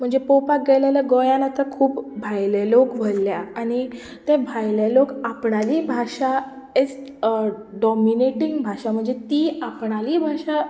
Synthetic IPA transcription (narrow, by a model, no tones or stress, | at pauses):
m̤əɳd͡zepowpak̚ɡɛlaləɡojanat̪əɾkʰuːpbʱajlelokʋ̤əlːjaaɽ̃i | t̪ebʱajlelokapɳaliːbʱaʂa | et͡s | ɖɔmineʈiŋɡbʱaʂam̤əɳd͡zet̪iːapɳaliːbʱaʂa